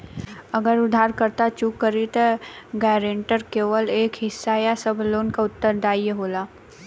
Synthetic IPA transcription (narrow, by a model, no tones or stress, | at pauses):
əɡəɾʊd̪ʱaːɾkəɾt̪at͡ʃuːkːəɾit̪ɡɛːɾẽːɳʈəɾkeːʋəleːkɦɪsːaːjasəbʱloːnkaʊt̪ːəɾd̪ʱaːijəɦoːlaː